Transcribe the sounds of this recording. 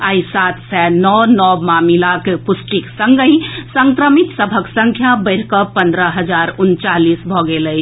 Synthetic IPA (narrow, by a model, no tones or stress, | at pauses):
aisat̪sɛnɔnɔmamilakepusʈiksəŋɡə̃ĩsəŋkɾəmit̪səbʱəksəŋkʰjabəɪɾkəpə̃nd̪ɾəɦəd͡ʒaɾunt͡ʃalisbʱɔɡeləɪt͡ʃʰ